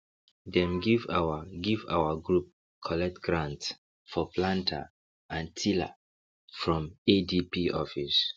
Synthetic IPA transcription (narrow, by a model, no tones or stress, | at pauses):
dɛ̃mɡivawaɡiva̰waɡɹup̚ | kʰɔlɛk̚tɡɹãnts | fɔplãntʰa̰ | ʔãntʰila̰ | fɹɔ̃medipiʔɔfis